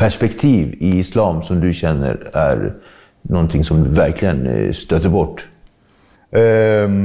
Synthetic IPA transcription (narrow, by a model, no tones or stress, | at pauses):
pʰæʂpɛkt̪ʰiːvɪɪslɑːmsɔmd̪ɵɕɛnːə̰ɾæ̰ɾ | nɔnt̪ʰɪŋsɔmvæɾkʰlɪɡənst̪øːt̪əɾbɔʈː